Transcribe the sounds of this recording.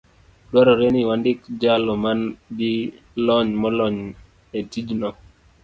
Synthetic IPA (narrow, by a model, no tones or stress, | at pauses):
dwaɾɔɾeniwandɪkd͡ʒalɔmanɡɪ | lɔɲmɔlɔɲ | etid͡ʒnɔ